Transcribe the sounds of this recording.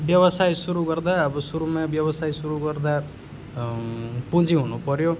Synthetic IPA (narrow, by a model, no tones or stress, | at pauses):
bjʌβʌsajsuɾuɡʌrd̪aʌbʌsuɾumabjʌβʌsajsuɾuɡʌrd̪a | pud͡ziɦunupʌɾjo